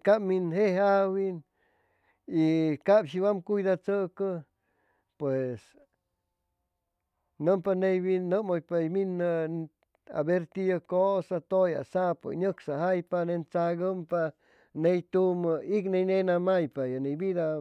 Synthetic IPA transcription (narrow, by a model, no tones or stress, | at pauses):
kaminɦehawin | ikabʃiwamkujd̪at͡səkə | pwes | nəmpanejbinːəmojpajminə | a̰beɾt̪ijəkosat̪oja̰sapə̰ɲəksaɦajpanent͡saɡəmpa | nejt̪uməiknejnenamajpajanejbid̪a